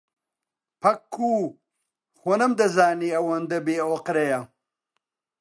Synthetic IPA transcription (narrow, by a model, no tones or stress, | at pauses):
pʰɐkʰːuː | xonɐmd̪ɐzaːniɐwɐnd̪ɐbeoqɾejɐ